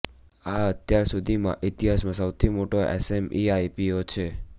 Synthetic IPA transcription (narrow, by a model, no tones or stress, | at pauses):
aət̪jaɾsud̪ʱimã̰ʔɪt̪iɦasmãsəwt̪ʰimoʈoʔḛsemiajpiot͡ʃʰe